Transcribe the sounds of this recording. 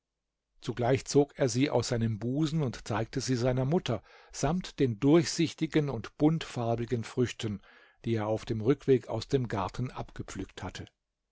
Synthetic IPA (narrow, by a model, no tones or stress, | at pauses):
t͡suɡlaɪçt͡soːkeːɐziːʔa̰ʊsz̥aɪnəmbuːzn̩ʊntt͡saɪk̚təziːzaɪnɐmʊtʰɐ | z̥amtd̥eːndʊɐçz̥ɪçtɪɡənʊntb̥ʊntfaɐbɪɡənfʁ̥ʏçtʰən | d̥iːeːɐaʊfd̥eːmʁʏkv̥eːka̰ʊsd̥eːmɡaɐtn̩ʔa̰pɡ̥əp͡flykthatʰə